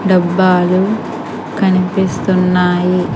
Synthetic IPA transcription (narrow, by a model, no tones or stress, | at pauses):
ɖɐbːaːlu | kɐnipist̪unːaːji